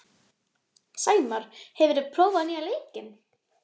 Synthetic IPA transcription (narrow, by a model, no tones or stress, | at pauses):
saːjmaɾ̥hɛvʏɾɪpʰɾoːwvaðnialeːjcɪn